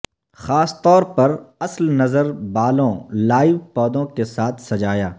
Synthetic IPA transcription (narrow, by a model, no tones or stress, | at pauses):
xaːst̪ɔːɾpɐɾɐslnɐzəɾbaːlõlaːɪʋpɔːd̪õkesaːt̪ʰsɐd͡ʒaːjaː